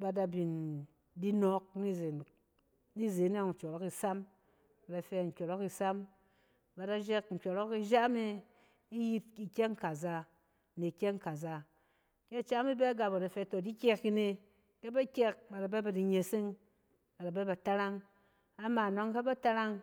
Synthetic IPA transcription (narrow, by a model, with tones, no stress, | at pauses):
ba˧da˧bi˨n | di˦no˨˦k̚ni˦ze˨ | ni˦ze˨˦n˦e˦˨ŋ̩˨t͡ʃo˨ɾo˦ki˨sa˦m | ba˨da˨fe˧˨ŋ̩˨kʲo˨ɾo˦ki˧sa˦m | ba˨da˧d͡ʒe˦k̚ŋ̩˨kʲo˨ɾo˦ki˧ʒa˦me˧ | i˦ji˧t̚i˨kʲe˦ŋ˦ka˨za˧ | ne˨kʲe˦ŋka˨za˧ | ke˦˨t͡ʃa˦mi˦be˦ɡa˧bo˨da˨fe˧˨to˨di˦kʲe˧ki˧ne˧ | ke˦ba˦kʲe˦k̚ba˨da˨be˦ba˨di˧ɲe˨si˦ŋ | ba˨da˨be˦ba˨ta˦ɾa˦ŋ | a˨ma˨no˦ŋke˦ba˦ta˧ɾa˦ŋ